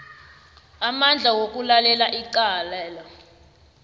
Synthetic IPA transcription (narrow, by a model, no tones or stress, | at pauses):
amand͡ɮʱawok̬ʼulalɛlaʔiǃaːlɛːlɔ